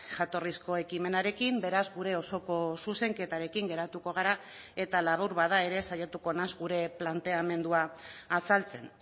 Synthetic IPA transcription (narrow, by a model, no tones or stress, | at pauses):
ʝat̪o̞risko̞e̞kime̞naɾe̞kimbe̞ɾazɡuɾe̞o̞so̞ko̞suse̞ŋke̞t̪aɾe̞kiŋɡe̞ɾat̪uko̞ɣ̞aɾa | e̞t̪alaβawɾβaðae̞ɾe̞sajat̪uko̞nazɡuɾe̞plant̪e̞ame̞nd̪uaːsalt͡se̞n